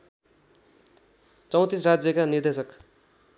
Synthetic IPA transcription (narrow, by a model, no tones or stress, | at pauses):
t͡sʌw̃t̪israd͡zjʌkanird̪esʌk